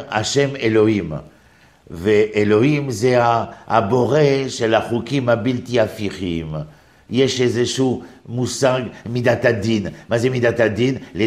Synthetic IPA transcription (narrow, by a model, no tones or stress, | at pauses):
a̰ʃɛmelohim | veʔeloimzea̰ːboʁeʃelaχukimabilt̪iafiχim | jɛʃezeʃumusaɡmid̪at̪ad̪inmazemid̪at̪ad̪inle